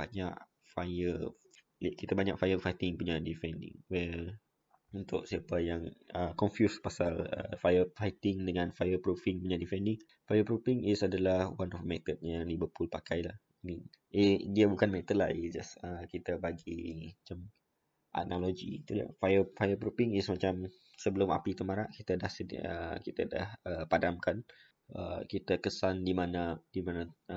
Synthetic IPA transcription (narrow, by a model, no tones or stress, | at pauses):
baɲa̰ʔ | fajə | lakit̪abaɲaʔfajəfajt̪ɪŋpuɲadifɛndɪ̰̃ŋwɛl | unt̪ʊʔsiapəjaŋəkɔnfjuspasalə̰fajəfajt̪ɪŋdəŋãnfajəpɾufiŋpuɲadifɛndɪŋ | fajəpɾufɪŋisadalahwanɔfmɛt̪ət̪̚ɲaŋlibəpulpakajlah | amĩnidiabukanmɛt̪ət̚la̰hisd͡ʒasəkit̪əbaɡimat͡ʃam | ʔa̰nalod͡ʒḭt̪ua̰fajəfajəpɾufiŋɪsmat͡ʃam | səbəlʊma̰pit̪əmaɾaʔkit̪adahsəd̰ə̰kit̪ada̰həpadamkan | ə̰kit̪akəsandimanad̥imãna